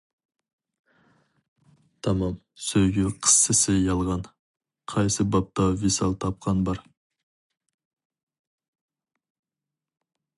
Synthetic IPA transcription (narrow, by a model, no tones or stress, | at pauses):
t̪ʰɑmɑm | sɵjɡʲyqʰə̥sːɪsɪjɑlˠʁɑn | qʰɑjsɨbɑp̚t̪ɑvisɑ̰lˠt̪ʰɑp̚qɑnbɑɾ